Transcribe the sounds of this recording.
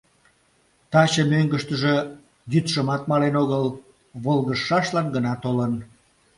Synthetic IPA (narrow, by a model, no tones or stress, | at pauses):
t̪ɑt͡ɕəmøŋɡəʃt̪əʒe | jyt̪ʃəmɑt̪̚mɑlenoɣəl | βolɣəʃːɑʃlɑnɡənɑt̪olən